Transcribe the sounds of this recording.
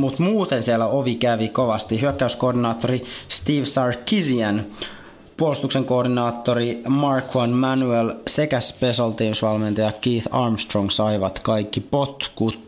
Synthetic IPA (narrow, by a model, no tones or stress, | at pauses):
mut̪muːt̪ensielːæoʋikæʋikoʋɑst̪ihyøkːæyskoːrdinɑːt̪ːoɾist̪iːʋsɑrkiziæn | puolist̪ukseŋko̞ːrdinɑːt̪ːoɾimɑrkʰwɑnmænyelsekæspesɑlt̪iːmsʋɑlment̪ɑjɑkiːθɑrmst̪roŋsɑiʋɑt̪kɑikːipot̪kut̪